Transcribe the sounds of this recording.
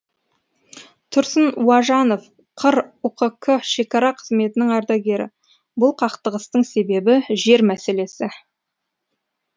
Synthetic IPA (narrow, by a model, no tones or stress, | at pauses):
t̪ʰʊɾsənwɑʒɑno̞f | qʰəɾʊqəkʰːəʃe̞kɑɾɑqʰəzme̞t̪ɪnɪŋɑɾd̪ɑɡʲe̞ɾɪ̰ | bʊlˠqʰɑqt̪əʁəst̪əɴse̞be̞bɪʒe̞ɾmæse̞le̞sɪ